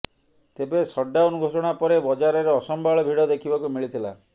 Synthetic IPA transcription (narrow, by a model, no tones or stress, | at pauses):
t̪ebesɔɖːaonuɡʱosɔɽ̃apɔɾebɔd͡ʒaɾɔɾeɔsɔmbaɭɔbʱiɽɔd̪ekʰibakumiɭit̪ʰila